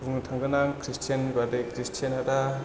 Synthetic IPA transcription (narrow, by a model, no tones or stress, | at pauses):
buŋtʰaŋɡɯnaŋkʰɾistʰijanibadejkɾistʰijanada